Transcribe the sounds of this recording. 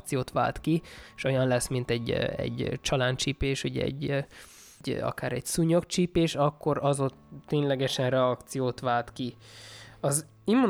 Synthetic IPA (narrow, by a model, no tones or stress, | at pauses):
t̪sijoːt̪ʋa̰ːlt̪kiʃo̞jɒnlɛsmint̪ɛɟːɛ̰ɟt͡ʃɒlaːnt͡ʃiːpeːʃuɟɛɛ̰ɟː | ɒ̰kaːɾɛɟsuɲokt͡ʃiːpeːʃɒkːo̞ɾɒzo̞t̪ːeːɲlɛɡɛʃɛnrɛɒkt̪sijoːt̪ʋaːlt̪ki | ɒz | imu